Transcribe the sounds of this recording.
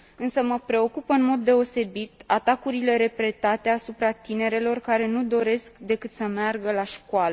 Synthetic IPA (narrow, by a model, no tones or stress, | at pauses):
ɨnsəməpɾe̞o̞kupəɨnmo̞d̪ːe̞o̞se̞bit̪at̪akuɾile̞ɾe̞pɾe̞t̪at̪e̞asupɾat̪ine̞ɾe̞lo̞rkaɾe̞nud̪o̞ɾe̞skd̪e̞kɨt̪səmearɡəlaʃkwalə